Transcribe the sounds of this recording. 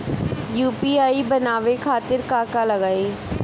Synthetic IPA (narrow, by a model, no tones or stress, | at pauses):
juːpiaːibɐnaːʋekʰaːt̪ɪɾkaːkalɐɡaːeː